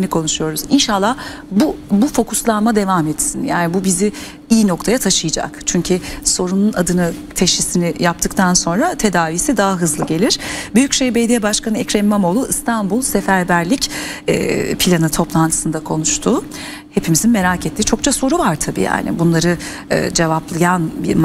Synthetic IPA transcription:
nikʰo̞nuʃujo̞ɾuzinʃalˠːah | bubufo̞kʰuslˠanmad̪e̞vamɛt̪sinjaːnibubizi | iːno̞kt̪ʰajat̪ʰaʃɯjɯd͡ʒa̰kt͡ʃʰyɲcʰyso̞ɾununad̪ɯnɯt̪ʰeʃisinijap̚t̪ʰɯkt̪ʰanso̞nɾat̪ʰe̞d̪aːvisid̪aɦaɦɯzlˠɯɟe̞lʲiɾ̥byjycʃejbejd̪ijɛbaʃkanɯɛcɾenmamo̞lˠuist̪ʰanbulˠse̞fæɾbæɾlʲicɛ̰ːpʰilʲanɯt̪ʰo̞plˠant̪ʰɯ̥sɯnd̪akʰo̞nuʃt̪ʰuː | he̞pʰimizinme̞ɾaːcʰet̪lːʲit͡ʃʰo̞k̚t͡ʃʰaso̞ɾuvaɾt̪ʰabḭːja̰ːnɪ̰bunlˠaɾɯ | ɯ̰ːd͡ʒe̞vaplˠɯjanbi

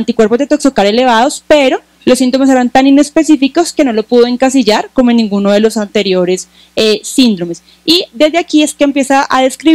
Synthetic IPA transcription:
nt̪ikwe̞ɾpo̞zd̪et̪oksokaɾele̞βaðo̞spe̞ɾo̞ | losːint̪o̞mes̬e̞ɾant̪anine̞spe̞sifiko̞ske̞no̞lopuðo̞e̞ŋkasiʝaɾko̞moenːĩŋɡunoðelo̞sant̪e̞ɾjo̞ɾe̞s | eːind̪ɾo̞mes | id̪e̞zd̪eakieskeempje̞saʔaðe̞skɾi

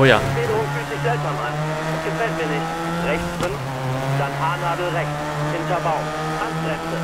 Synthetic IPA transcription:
oja̰b̥eːdəʁʊŋfyːzɪçz̥ɛlpzaman | ʊnsɡ̥əfɛlt̚miɐnɪçt | ʁɛçsb̥ɪn | z̥aɪnɦaːnaːdl̩ʁɛç | hɪntɐbaʊ | ʔan̥ʁɛfn̩də

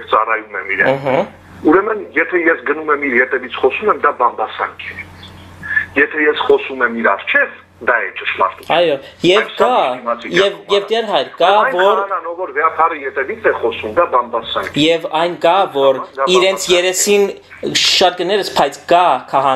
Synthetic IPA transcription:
t͡sɑ̰rɑjumɛmiɾɛ̰nɦ̩ | uɾɛmənjɛt̪ʰɛjɛsɡənumɛmiɾjɛt̪ɛvit͡sʰχɔsumɛmd̪ɑbɑmbɑsɑ̰ŋkʰɛ | jɛt̪ʰɛjɛsχɔsumɛmiɾɑrt͡ʃʰɛv | d̪ɑɛt͡ʃəʃlɑ̰ɾt̪uɑjɔ | jɛvkɑiɑt͡sʰijɛvjɛvd̪ɛɾɦɑjɾkɑjvɔɾnɑnɔvɔɾvɛɑp̪ʰɑɾəjɛt̪ɛvit͡sʰɛχɔsumd̪ɑbɑmbɑsɑ̰ŋkʰjɛvɑjnkɑvɔɾiɾɛnt͡sʰjɛɾɛsin | ʃɑɾ̚kənɛɾəspʰɑjt͡sʰkɑkʰɑɦɑ

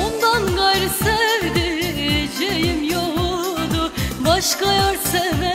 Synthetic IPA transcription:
ond̪anɡajɾɯsɛvd̪ɪd͡ʒejimjoɦud̪ʊbaʃkajaɾsɛvɛ

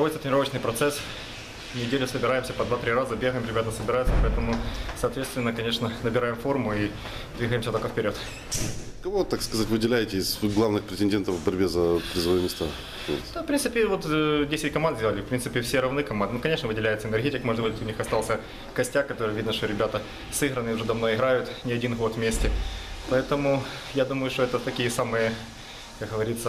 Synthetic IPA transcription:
ojʲt̪ət̪ʲnʲɪɾo̞vət͡ɕnɨjpɾɐt̪sɛs | nʲɪdʲelʲʊsəbʲɪɾajɪmsʲəpɐd̪vat̪ɾʲiɾazəbʲeɣəjɪmɾʲɪbʲat̪nəsəbʲɪɾajt̪səpɐɛt̪əmʊsɐːt̪vʲet̪st̪vɪnːəkɐnʲeʂnənəbʲɪɾajɪmfo̞rmʊi | d̪vʲiɣəjɪmsʲət̪olkəfʲpʲɪɾʲo̞t̪ | kɐvot̪akskɐzatʲvɨdʲɪlʲæjɪtʲɪɪz̥ɡlˠavnɨxpɾʲɪtʲɪnʲdʲent̪əvvbɐɾʲbʲezəpɾʲɪzvɐɨɪmʲɪst̪a̰ | ko̰d̪afpɾʲint̪ɨpʲɪvot̪dʲesʲɪt̚ʲkɐmand̪zdʲelˠəlʲɪfpɾʲint̪ɨpʲɪfsʲeɾɐvnɨkɐmand̪nukɐnʲeʂnəvɨdʲɪlʲæjɪt̪səɪnɛɾrɣʲetʲɪkmoʐəd̪bud̪ʲɪt̪ʊnʲixɐst̪ɑlˠsʲə | kɐsʲtʲakkːɐt̪o̞ɾɨjəvʲid̪nəʂt̪oɾʲɪbʲat̪ə | sɨɣɾənɨɪʊʐɛd̪ɐmnoɪɣɾajʊt̪nʲɪɐdʲinɣo̞t̪vmʲesʲtʲɪpɐɛt̪əmʊ | jad̪uməjʊʂt̪oɛt̪ət̪ɐkʲijəsamɨjə | kakɣəvɐɾʲit̪sə

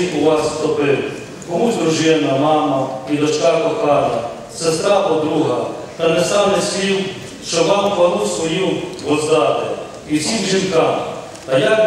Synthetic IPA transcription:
uʋɑsst̪ɔpɪw | kɔmud̪ɾuʒɪnɐmɑmɐid̪ɔt͡ʃkɑkɔxɑɾʲɐ | sest̪ɾɑpɔd̪ɾuɦɐ | t̪ɐnɛst̪ɑnɛsʲiw | ʃt͡ʃɔʋɑmpɐɾusʋɔjuɦɔzd̪ɑt̪e | iwsʲimʒinkɑm | ɐjɑk

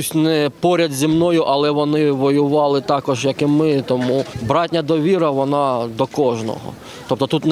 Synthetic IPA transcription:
sʲnɛpɔɾʲɐd̪zʲimnɔjʊʔɐlˠɛʋɔnɪʋɔjʊʋɑlˠɪt̪ɑkɔʒjɐkɪmɪt̪ɔmubɾɑtʲnʲɐd̪ɔʋʲiɾɐʋɔnɑd̪ɔkɔʒnɔ̰ɦɔ̰ | t̪ɔp̚t̪ɔt̪ut̪n

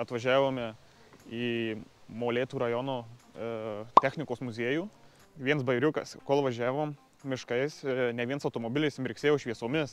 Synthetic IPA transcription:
ɐt̪ʋɐʒʲæːʋoːmʲɛ | iːmoːlʲeːt̪uːɾɐjɔnoː | t̪ʲæxʲnʲɪkoːsmʊzʲiɛjuː | ʋʲiɛnsbɐɪɾʲʊkɐ̰skoːlˠʋɐʒʲæːʋoːm | mʲɪʃkɐɪsnʲɛʋʲiɛnsɐʊt̪oːmoːbʲɪlʲɪsɪmʲɾʲɪksʲeːjoːʃʲʋʲiɛsoːmʲɪs

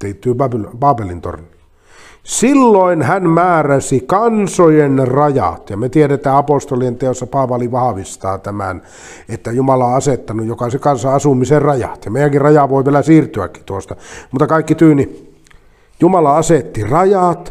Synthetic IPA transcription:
t̪eit̪ːyøpɑppɑːpelint̪o̰rni | silːoˑinhænmæːræsikɑnsojenrɑjɑ̰t̪jɑmet̪ieɾeet̪æːɑpost̪olient̪eosːɑpɑːʋɑliʋɑhɑʋist̪ɑːt̪æmæ̰n | et̪ːæjumɑlɑoɑset̪ːɑnujjokɑsekɑnsɑɑsumiserrɑjɑ̰t̪jɑmeˑijæŋkirrɑjɑʋoˑiʋielæsiːrt̪yæ̰kːit̪uost̪ɑmut̪ɑkɑˑikːit̪yːni | jumɑlɑɑset̪ːirɑjɑt̪

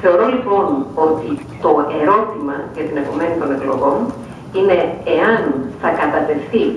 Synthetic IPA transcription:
θe̞o̞ɾo̞lipo̞no̞t̪i | t̪o̞e̞ɾo̞t̪imɐʝɐt̪ine̞po̞me̞nit̪o̞ne̞klo̞̰ɣo̞n | ine̞eɐnθɐkɐt̪ɐt̪e̞fθi

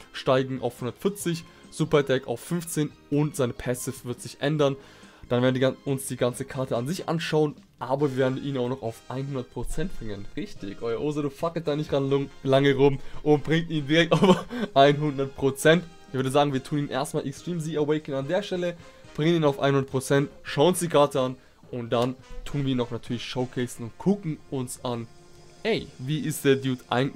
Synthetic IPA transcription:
ʃtaɪɡŋ̩ʔa̰ʊfhʊndɐtfɪɐt͡sɪçz̥uːpɐdɛka̰ʊfːʏnft͡seːn | ʊntz̥aɪnəpʰɛsɪfvɪɐtz̥ɪçʔɛ̰ndɐn | d̥anveːɐn̩ʊnsd̥iːɡant͡səkʰaɐtəanzɪçʔa̰nʃaʊənʔaːbɐvʲiːɐveɐdn̩ʔiːnaʊxnɔχaʊfʔaɪnhʊndɐt̚pʁ̥ot͡sɛnt̚b̥ʁɪŋənʁɪçtɪ̰çʔɔʏɐʔoːzaduːfakəl̩t̚d̥aːnɪçtʁanlaŋəʁʊmʔʊnt̚b̥ʁɪŋk̚tiːndiʁɛk̚taʊfʔaɪnɦʊndɐt̚pʁ̥ot͡sɛnt | ɪçvʏɐdəzaːɡŋ̩viːɐtʰuːniːnʔḛɐstmaːlʔɛkstʁ̥iːmziɛwɛɪkənandeːɐʃtɛlə | b̥ʁɪŋəniːnaʊfʔa̰ɪnhʊndɐtpʁ̥ot͡sɛntʃaʊʊnsd̥iːkʰaːɐtəan | ʔʊnt̚d̥antʰuːnviːɐinɔxnatʰyːɐlɪçʃoʊkʰɛːsn̩ʊntkʰʊkŋ̩ʊnsan | ɛɪviːʔɪstd̥eːɐdjuːtʔa̰ɪ

